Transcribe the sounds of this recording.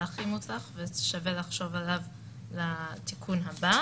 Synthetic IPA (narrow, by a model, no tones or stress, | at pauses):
aχimotaχveʃavelaχʃo̞valav | latikʰunɦaba